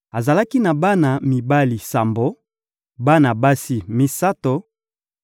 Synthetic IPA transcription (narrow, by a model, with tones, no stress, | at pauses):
a˨za˨la˦ki˦na˨ba˦na˨mi˨ba˦li˨sa˨mbo˨˦ | ba˦na˨ba˦si˦mi˦sa˦to˨